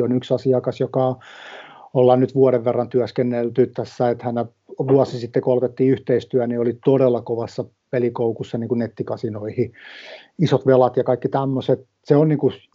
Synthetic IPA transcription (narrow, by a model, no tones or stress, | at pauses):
onyksɑsiɑkɑsjokɑ | olːɑnnyt̪ʋuɑɾeʋʋerːɑnt̪yæskenːelt̪yt̪ːæsːæet̪hæne | ʋuɑsisit̪ːekolt̪et̪ːiːyht̪eist̪yæniolit̪oɾelːɑkoʋɑsːɑ | pelikoukusːɑniːkunet̪ːikɑsinoihi | isot̪ʋelɑt̪jɑkɑikːit̪æmːoset̪ | seonniːŋku